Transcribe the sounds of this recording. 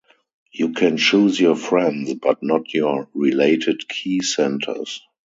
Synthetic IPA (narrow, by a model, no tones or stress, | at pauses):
juːkʰɛ̃nt͡ʃuːzjɔfɹɛ̃ndsbatnɔtʰjɔɹileɪtʰɪdkʰiːsɛ̃ntʰə̰˞s